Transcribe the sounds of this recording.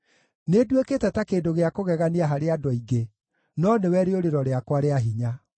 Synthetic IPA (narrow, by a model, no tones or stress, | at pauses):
nedweketɛtakeːdoɣeakoɣɛɣaniaɦaɾeadɔiɡe | nɔnewɛɾeoɾeɾɔɾeakwaɾeaɦiɲa